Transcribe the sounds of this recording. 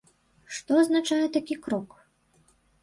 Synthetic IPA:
ʂt̪ɔɐznat͡ʂajɛt̪akʲikɾɔk

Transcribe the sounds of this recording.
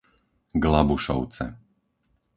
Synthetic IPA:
ɡlabuʃɔ̰ʊt͡sɛ̰

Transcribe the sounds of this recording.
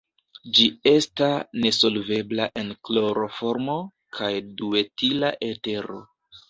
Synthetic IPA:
d͡ʒie̞stasne̞so̞lve̞blaʔe̞nklo̞ɾo̞fo̞ɾmo | kʰajdue̞tilaʔe̞te̞ɾo̞

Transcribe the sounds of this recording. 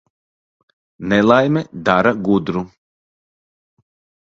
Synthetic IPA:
nɛlˠajmɛd̪aɾaɡud̪ɾu

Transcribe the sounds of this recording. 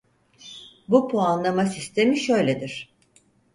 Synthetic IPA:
bupʰoanlˠamasist̪ʰe̞miʃø̞jlʲed̪iɾ̥

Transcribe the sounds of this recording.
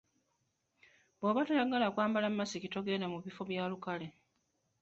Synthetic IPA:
boβatejaɡalakwaːmbalamːasikitoɡe̞ːndamuβifo̞βjaːlukale̞

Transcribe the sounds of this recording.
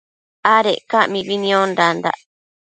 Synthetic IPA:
aɾeʔkamĩβinĩõnɾand̪a̰ʔ

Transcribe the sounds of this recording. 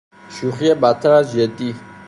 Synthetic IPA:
ʃuχjɛbat̪ʰɾaʒɛt̪ʼi

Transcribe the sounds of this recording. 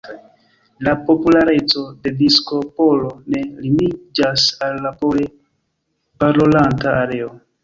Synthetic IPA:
lapo̞pulaɾe̞t͡so̞de̞disko̞po̞lone̞linid͡ʒasalːapole | paɾolantaːɾe̞o

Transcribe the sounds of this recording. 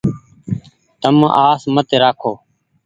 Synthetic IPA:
t̪əmaːsmət̪eːɾaːkʰoː

